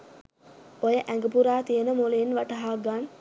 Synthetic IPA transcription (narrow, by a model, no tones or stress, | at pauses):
ojəʔæŋɡəpuɾaːt̪ijənəmulenʋaʈɐɦaːɡan